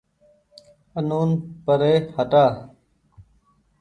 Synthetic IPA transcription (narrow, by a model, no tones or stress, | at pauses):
ənuːnpəɾeːhəʈaː